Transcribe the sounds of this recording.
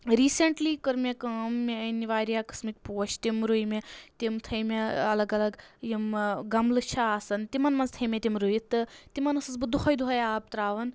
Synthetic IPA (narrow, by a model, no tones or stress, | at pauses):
ɾiːseɳʈliːkəɾmekaːmːeniʋaːɾijaːkɨ̥smit̪̚ʲpoːt͡ʃʰt̪imɾujmet̪imt̪ʰɐjmeɐlɐɡɐlɐɡjimɡɐmlɨt͡ʃʰaaːsɐnt̪imɐnmɐnzt̪ʰɐjmʲet̪ʲimɾujit̪ːɨt̪imɐnɐsɐsbɨd̪uxʰɐjd̪uɦɐjaːb̚t̪ɾaːʋɐn